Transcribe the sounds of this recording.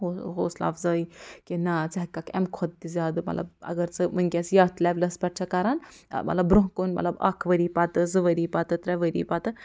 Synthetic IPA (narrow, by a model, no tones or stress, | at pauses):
oɦoːsla̰ːfzɐːikinat͡sɐɦɐkːakɛ̰mkʰɔd̪̚t̪izʲaːd̪ɨmɐ̰t̪lɐ̰bɐ̰ɡɐɾt͡sɨmɨnʲkʲɛsjɐɾt̪ʰlʲɛʋlɐspʲɛʈt͡ʃʰɐkaɾan̰mɐ̰t̪lɐbbɾuɦkunmɐ̰t̪lɐba̰kʰʋəɾipat̪ɨzɨʋəɾipat̪ɨt̪ɾɛʋəɾḭːpat̪ɨ